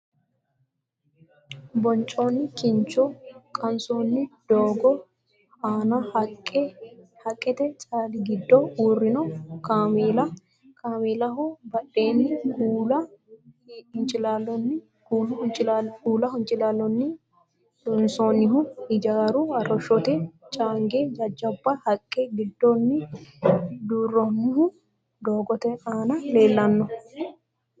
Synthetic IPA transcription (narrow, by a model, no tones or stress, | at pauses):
bɔnt͡ʃʼoːnːɪkɪnt͡ʃɔkʼɐnsoːnːɪd̪̥oːɡɔ | aːnɐhk | hɐkʼːɛt̪ɛt͡ʃʼaːlɪɡɪd̪ːɔuːrːɪnɔkameːlɐ | kʰaːmeːlɐɦʊbɐᶑeːnːɪɡlɐ | ɪnt͡ʃʼɪlalːɔnːɪ | ɡuːlɐhʊnt͡ʃʼɪɡuːlɐhʊnt͡ʃʼɪlaːlːɔnːɪ | d̪ɔnsoːnɪɦʊɪd͡ʒaːɾuɐrːɔʃːɔt̪ɛt͡ʃʼaːŋɡeːd͡ʒɐd͡ʒːɐbːahɐkʼːeːɡɪd̪ːoːnːɪ | d̪uːrːɔnːɪhʊ | d̪oːɡɔt̪ɛaːnɐle̞ːlːɐnːɔ